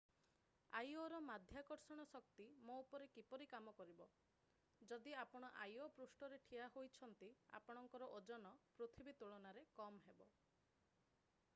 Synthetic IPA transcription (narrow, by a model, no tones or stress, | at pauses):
a̰joɾɔmad̪ʱjakɔɾsɔɽ̃ɔsɔkt̪imoupɔɾekipɔɾikamɔkɔɾibɔ | d͡ʒɔd̪iapɔɽ̃ɔʔajopɾusʈɔɾeʈʰiaɦojt͡ʃʰɔnt̪ia̰pɔɽ̃ɔŋkɔɾɔʔod͡ʒɔnɔpɾot̪ʰibit̪uɭɔnaɾekɔmɦebɔ